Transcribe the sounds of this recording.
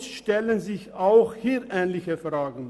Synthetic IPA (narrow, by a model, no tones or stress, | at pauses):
sʃtɛlənzɪçaʊxhiːʔɛːnlɪçəfʁ̥aːɡŋ̩